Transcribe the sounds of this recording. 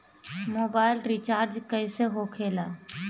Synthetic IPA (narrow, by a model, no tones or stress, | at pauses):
moːbaːɪlɾit͡ʃaːɾd͡ʒkəɪseɦokʰelaː